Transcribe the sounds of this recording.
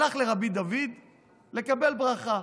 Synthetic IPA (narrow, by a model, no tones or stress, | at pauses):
aχleʁabid̪avid̪ | le̞kabe̞lbʁaχa